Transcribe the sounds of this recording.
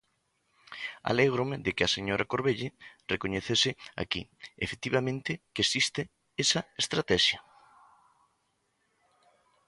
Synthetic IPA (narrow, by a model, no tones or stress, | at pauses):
a̰leɣɾomeðekɪaseɲoɾakoɾβeʎɪrekoɲeθesɪa̰kḭefe̥t̪iβamẽnt̪ɪkesist̪ɪ | esɐest̪ɾat̪ɛʃjɐ